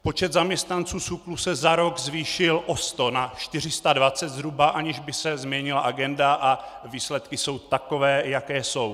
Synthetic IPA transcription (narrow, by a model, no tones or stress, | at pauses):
po̞t͡ʃɛd̪zamɲɛst̪nant͡suːt͡suklusɛzaɾo̞ɡzviːʃɪlʔo̞st̪o̞naʃt̪ɪr̝ɪst̪advat͡sɛt̪zɾubaʔaɲɪʒbɪsɛzmɲɛɲɪlaʔaɡɛndaʔa | viːslɛt̪kɪso̞wt̪ako̞vɛːjakɛːso̞w